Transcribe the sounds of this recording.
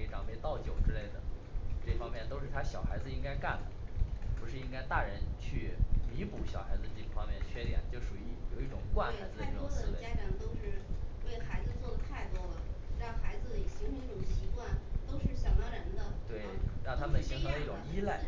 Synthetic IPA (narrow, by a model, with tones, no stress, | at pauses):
e˥ʈ͡ʂɑ˨˩ŋme˧ɪt̪ɑ˥˩ʊt͡ɕjo˨˩ʊʈ͡ʂɻ̩˥le˥˩ɪd̪ə̰˩ʈ͡ʂɤ˥˩fɑ˥ŋmjɛ˥˩nt̪o˥ʊʂɻ̩˥˩t̪ʰa˥ɕjɑ˨˩ʊxa˧˥ɪd͡zɹ̩˧i˥ŋka˥ɪka˥˩nd̪ə̰˩pu˧˥ʂɻ̩˥˩i˥ŋka˥ɪt̪a˥˩ɻə˧˥nt͡ɕʰy˥˩mi˧˥pu˧˥ɕjɑ˨˩ʊxa˧˥ɪd͡zɹ̩˧ʈ͡ʂi˥˩pu˥˩fɑ˥ŋmjɛ˥˩nt͡ɕʰɥɛ˥˧t̪jɛ̰˨˩nt͡ɕjo˥˩ʊʂu˨˩i˥˩jo˨˩ʊi˥˩ʈ͡ʂʊ˨˩ŋkwa˥˩nxa˧˥ɪd͡zɹ̩˧d̪ə˧ʈ͡ʂɔ˥ɹ̩˥˧e˥˩t͡ɕja˥t͡ɕjɑ˨˩t̪o˥ʊʂɻ̩˥˧we˥˩ɪxa˧˥ɪd͡zɹ̩˧t͡swɔ˥˩d̪ə˩t̪ʰa˥˩ɪt̪wɔ˥lə˨ɻɑ˥˩ŋxa˧˥ɪd͡zɹ̩˧d̪ə˩i˨ɕi˧˥ŋi˧˥˩ʈ͡ʂʊ˨˩ŋɕi˧˥kwa˥˩nt̪o˥ʊʂɻ̩˥˩ɕjɑ˨˩ŋna˥ɻə˧˥nd̪ə˧t̪we˥˩ɪɻɑ˥˩t̪ʰa˥pə˨˩nɕi˧˥ŋʈ͡ʂʰɤ˧˥d̪ə˧˥i˥˩ʈ͡ʂʊ˨˩˧ŋi˥le˥˩ɪ